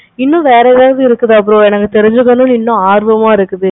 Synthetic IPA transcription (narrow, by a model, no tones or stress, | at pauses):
ɪnːʊ̃ʋeːɾɐɛðaːʋðɯɪɾɯkːɐðɯɐp̬ːɯɾõɛnɐkːɐt̪ɛɾɪɲd͡ʒɯkːɐnːɯ̃nɪnːʊ̃aːɾʋɐmaːɪɾɯkːɯðɯ